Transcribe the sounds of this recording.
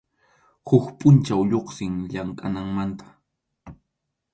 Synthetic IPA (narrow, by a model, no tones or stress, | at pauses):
hʊkpʼʊnt͡ʃawʎoχsɪŋʎaŋkʼanaŋmant̪ḁ